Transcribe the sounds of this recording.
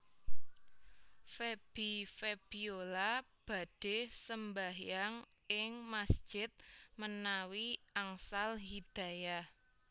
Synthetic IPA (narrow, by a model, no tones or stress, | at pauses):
feb̥ifeb̥iolab̥ä̤d̥e̤səmbaɦjaŋ | ɪŋmasd̥ʒ̥ɪt̪̚mənawiaŋsalɦid̪̥ä̤ja